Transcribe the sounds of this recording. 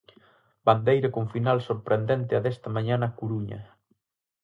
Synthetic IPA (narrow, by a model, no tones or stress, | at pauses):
band̪ejɾɐkoɱfinalsoɾpɾend̪ɛnt̪ɪaðɛst̪ɐmaɲanakuɾuɲɐ̰